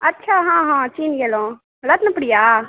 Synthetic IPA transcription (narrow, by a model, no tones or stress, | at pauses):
ɐtːt͡ʃʰaːɦãːɦãːt͡ʃiːnɡelõː | lat̪nɐpːɽɪjaː